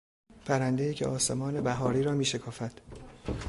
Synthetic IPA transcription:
pʰæɾænd̪ejicʰeʔɒːse̞mɒːne̞bæɦɒːɾiːɾɒːmiːʃe̞kʰɒːfæd̪̥

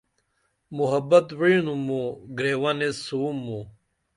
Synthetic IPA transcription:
muɦɐbɐt̪wiːnumuɡɾeːwɐnesuːmːu

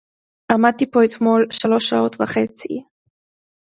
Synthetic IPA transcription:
ʔamad̪̚t̪ipo̞et̪mo̞lʃalo̞ʃaot̪vaχe̞t͡sḭ

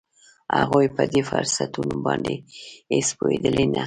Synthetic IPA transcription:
haɣujpəd̪efʊɾsat̪unobɑnd̪eespojed̪əlena

